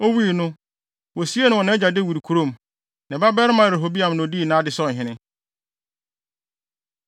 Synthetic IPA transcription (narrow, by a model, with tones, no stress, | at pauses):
o˦wi˦˨nʊ̃˦ | wɔ˨si˦e˦nʊ̃˨ɔ˨nã˦d͡ʑa˨de˦˨wi˨ɾkʰu˨ɾo˦˨m | nã˨ba˦bɛ˦ɾɪ˦mã˨ɾe˨ɦo˨bi˦ã˨mnʊ̃˨di˦˨nã˨˦dɪ˨sɔ˦˨ɦɪ̃˨nɪ̃˦